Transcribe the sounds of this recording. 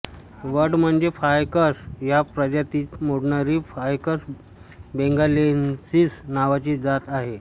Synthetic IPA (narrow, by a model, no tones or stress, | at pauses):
ʋəʈm̤əɳd͡zefajkəsjapɾəd͡ʑat̪iːmoɽnaɾiːfajkəs | beŋɡalensiːsnaʋat͡ɕiːd͡zat̪aɦe